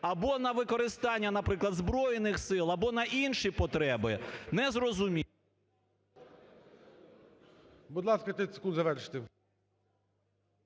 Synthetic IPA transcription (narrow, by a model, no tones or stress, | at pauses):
ɐbɔnɐʋɪkɔɾɪst̪ɑnʲːɐnɐpɾɪklˠɐd̪zbɾɔjenɪxsɪlˠɐbɔnɐʔinʃipɔt̪ɾɛbɪnɛzrɔzʊmʲi | buʊd̪lˠɑskɐt̪esɪ̥kunzɐʋɛɾʃɪ̥t̪ɪ